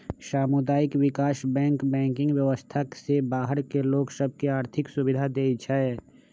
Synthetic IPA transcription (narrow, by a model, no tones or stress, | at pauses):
ʃaːmud̪aːɪkwɪkaːʃbɛ̃ːŋkbɛ̃ːŋkɪ̃ŋɡʋjəʋəst̪ʰasebaːɦəɾkeloːksəb̚ʱkiaːɾt̪ʰɪksʊbɪd̪ʱad̪eːt͡ʃʰaɛ